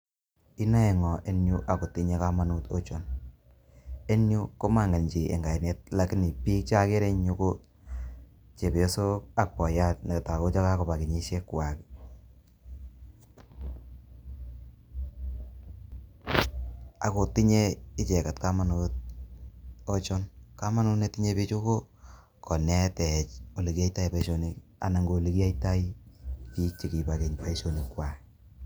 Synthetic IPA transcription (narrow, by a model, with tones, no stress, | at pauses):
i˦na˦ɛ˨ŋɔ˨ʔe˦nju˦ʔa˨ko˨ti˦ɲe˦ka˦ma˦nu˦to˦t͡ʃo˦n | e˦nju˦ko˦ma˦˨ŋe˨ɲt͡ʃi˨ʔḛ˨ŋɡa˨i˨ne˨t̚la˦ki˦ni˨piː˦k̚t͡ʃa˦ke˦ɾe˦ɲu˦ko˦ | t͡ʃe˨pjo˦so˦a˨k̚pɔ˨ja˦t̚na˨ke˨ta˨ko˦t͡ʃa˦ka˦ko˨pa˨ki˨ɲi˦ʃe˦kwa˨k | a̰˨ko˨ti˦ɲe˦ɪ˦t͡ʃɛ˨ka˨tka˦ma˦not̚ | o˦t͡ʃo˦nka˦ma˦nu˦ne˦ti˦ɲe˦pi˦t͡ʃo˦ko˦ | kɔ˨nɛ˦tɛ˨t͡ʃo˨le˨ka˦ita˦i˨pa˦ʃo˨ni˦ka̰˨na˨ŋɡo˨le˦ki˦a˦ita˦i˦ki˦t͡ʃi˨ki˨pake˨ɲpa˦i˦ʃo˨ni˨kːwa˨k